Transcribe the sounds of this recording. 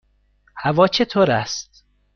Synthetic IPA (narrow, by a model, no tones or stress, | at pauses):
hævɒːt͡ʃʰet̪ʰoːɾæst̪̚